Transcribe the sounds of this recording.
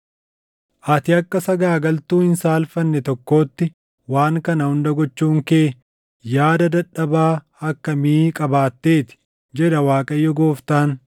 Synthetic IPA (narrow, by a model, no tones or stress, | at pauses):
ʔɐt̪ɪɐkːɐsɐɡaːɡɐlt̪uːhɪnsaːlfɐnːɛt̪ɔkːo̞ːt̪ːɪ | waːŋkɐnɐhʊnd̪ɐɡɔt͡ʃːuːŋkeː | jaːd̪ɐd̪ɐᶑːɐbaː | ɐkːɐmiːkʼɐbaːt̪ːe̞ːt̪ɪ̥ | d͡ʒɛᶑ̪ɐwaːkʼɐjːɔɡoːft̪aːn